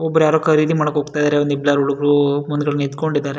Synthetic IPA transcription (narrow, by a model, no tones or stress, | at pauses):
ɔbːɐɾjaːɾoːkɐɾid̪imaːɽɐkɦoːɡ̚t̪ajid̪aːɾeond̪iblaːɾuɽuɡɾumund̪ɡɐɭnid̪koɳɖid̪aːɾe